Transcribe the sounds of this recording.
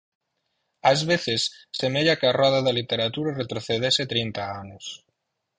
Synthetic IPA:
azβeθesːemeʎakaraðaðelit̪e̞ɾat̪uɾaret̪ɾoθeðeset̪ɾejnt̪aanos

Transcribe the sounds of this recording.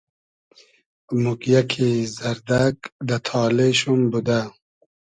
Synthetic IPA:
mukjakʰizaɾd̪akd̪at̪ʰɑːleʃumbud̪a

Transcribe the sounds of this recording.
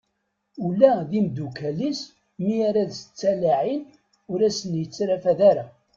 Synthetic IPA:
ulːæðimd̪ukælis | miaɾæðst͡sːælaʕin | ʊɾæsənjət͡sːɾæfæðæɾæ

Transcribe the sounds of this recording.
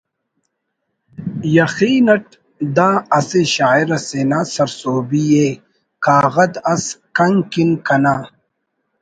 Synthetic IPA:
jɐxiːnɐʈ̚ | d̪aːɐseɕaːiɾɐsenaːsɐɾsoːbije | kaːɣɐd̪ɐskɐŋkinkɐnaː

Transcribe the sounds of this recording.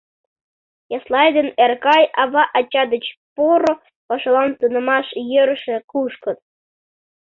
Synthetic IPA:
jɑslˠɑjd̪enerkɑjɑβɑʔɑt͡ɕːɑd̪ə̆t͡ɕpoɾo | pɑʃɑlˠɑnt̪ɯnɤ̆mɑʃjə̆ɾʃĕkuʃkɤ̆t̪̚

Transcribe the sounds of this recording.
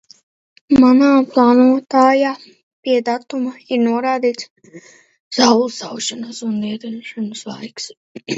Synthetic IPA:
manaːplˠɑːnuɔt̪aːjaː | pʲiɛd̪at̪umaiɾnuɔɾaːd̪iːt̪s | z̥awlˠsawʃanasunːiɛd̪aʃanslˠa̰jks

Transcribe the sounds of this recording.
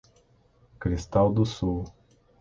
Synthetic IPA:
kɾist̪ald̪usu

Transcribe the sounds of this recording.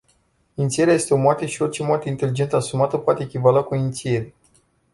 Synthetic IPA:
int̪sije̞ɾeaje̞st̪e̞o̞mwat̪eʃio̞rt͡ʃemwat̪eint̪e̞lid͡ʒe̞nt̪əasumat̪əpoat̪e̞ːkʲivalakuint̪sije̞ɾe

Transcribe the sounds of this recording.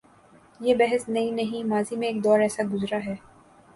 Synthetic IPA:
jeːbɛɦəsnɐɦĩnɐɦĩmaːzimẽeːk̚d̪ɔːɾɛːsaɡʊzɾaɦɛː

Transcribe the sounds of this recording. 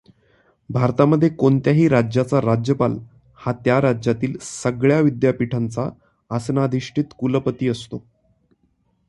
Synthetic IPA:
bʱaɾt̪aməd̪ʱːjekoɳt̪jaɦiːɾad͡ʑjat͡saɾad͡ʑjəpal | hat̪jaɾad͡ʑjat̪iːlsəɡɭjaʋid̪japiʈʰant͡saː | snad̪ʱiʂʈʰit̪kuləpət̪iːəst̪o

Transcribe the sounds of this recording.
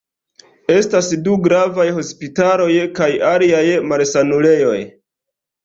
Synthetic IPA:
e̞stasduɡɾavajho̞spitalo̞jkajaliajmalsanule̞jo̞j

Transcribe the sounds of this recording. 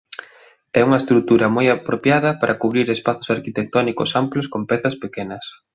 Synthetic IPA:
ɛuŋɐest̪ɾuk̚t̪uɾɐmojapɾopjaðɐpaɾʔɐkuβɾiɾespaθo̥saɾkit̪ek̚t̪ɔnikʊsamploskompɛθɐspekɛnɐs

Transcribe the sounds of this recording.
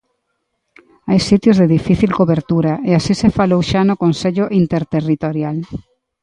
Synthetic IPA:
ajsit̪jozðeðifiθilkoβeɾt̪uɾaʔeasisefalowʃanokonseʎʊʔint̪eɾt̪erit̪oɾjal

